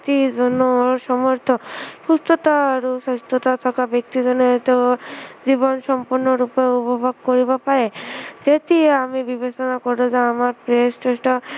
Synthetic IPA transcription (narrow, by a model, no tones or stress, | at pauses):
t̪id͡ʒɔnɔsɔmɔɾt̪ʰɔpust̪ot̪aaɾusɔst̪ʰɔt̪at̪ʰɔkabek̚t̪id͡ʒɔnet̪ed͡ʑibɔnsɔmpuɾnɔɾupeupɔbʱoɡkoɾibapaɾed͡ʒet̪ieamibibesɔnakɔɾbɔzeamaɾpɾest͡ʃesʈɔ